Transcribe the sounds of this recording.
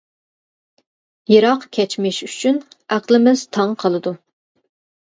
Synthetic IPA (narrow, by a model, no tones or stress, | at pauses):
jeɾɑqkʲʰɛt͡ʃmɪʃyt͡ʃʰyn | æqlˠɪmɪz̥t̪ʰɑŋqʰəlˠɨd̪u